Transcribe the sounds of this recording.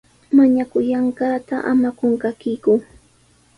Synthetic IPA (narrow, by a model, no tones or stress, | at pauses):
maɲakʊjaɴɢɑːt̪aʔa̰makoɴkakɪkʊ